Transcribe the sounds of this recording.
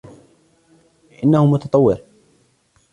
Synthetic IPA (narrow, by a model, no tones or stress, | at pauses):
ʔɪnːahʊmʊt̪ɑt̪ˤɑwːɪɾ